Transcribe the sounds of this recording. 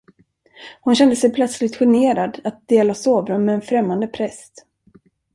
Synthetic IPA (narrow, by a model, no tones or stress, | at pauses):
hʊnɕɛnd̪əsɛjpʰlœt̪slɪɡ̚t̪ɧɪneːɾad̪at̪̚d̪eːlasoːvɾɵnmɛːnfɾɛmːand̪əpʰɾɛst̪